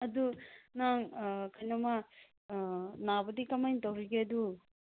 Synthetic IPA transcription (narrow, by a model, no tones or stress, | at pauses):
ɐdunaŋkʰɐjnɐma | nabɐdikɐmajntɐwɾiɡeɐdu